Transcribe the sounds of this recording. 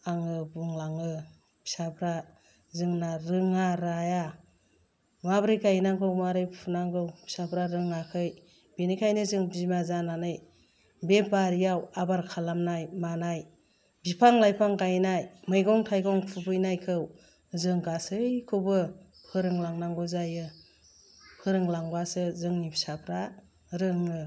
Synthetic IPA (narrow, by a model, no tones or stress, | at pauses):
aŋɯbuŋlaŋɯ | bi̥sapʰɾa | zɯŋnaɾɯŋaɾaja | mabɾɯjkajnaŋɡɯwmaɾɯjpʰunaŋɡɯwbi̥sabɾaɾɯŋakʰɯj | benikʰajnɯzɯŋbimazananɯj | bebaɾijawabaɾkʰalamnajmanaj | bipʰaŋlajpʰaŋkajnajmɯjɡɔŋtʰajɡɔŋpʰubɯjnajkʰɯw | zɯŋɡasɯjkʰɯwbɯ | pʰɯɾɯŋlaŋnaŋɡɯzajɯ | pʰɯɾɯŋlaŋbasɯzɯŋnipʰsapʰɾa | ɾɯŋɯ